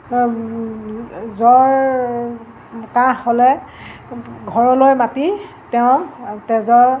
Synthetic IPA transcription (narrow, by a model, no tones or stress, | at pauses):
zɔɹ | kãɦholɛ | ɡʱɔɹɔlojmati | tɛʊ̃tɛzɔɹ